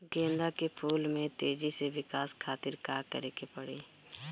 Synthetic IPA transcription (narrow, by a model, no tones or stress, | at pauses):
ɡẽːnd̪akepʰuːlmẽt̪eːd͡ʒiseʋɪkaːskʰaːt̪ɪɾkaːkə̰ɾeːkepəɽeː